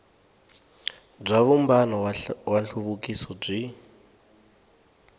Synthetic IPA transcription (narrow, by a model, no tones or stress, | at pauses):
b͡ʐaβumbanɔwaɬʰuβukisɔb͡ʐi